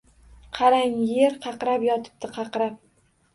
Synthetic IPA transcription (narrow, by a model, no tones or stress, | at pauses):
qʰɑɾaŋjeɾqʰɑqɾapjɒt̪ʰɪ̥p̚t̪ɪqʰɑqɾap̚